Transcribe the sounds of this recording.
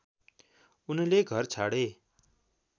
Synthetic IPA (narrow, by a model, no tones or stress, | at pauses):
unʌleɡʱʌrt͡sʰaɽe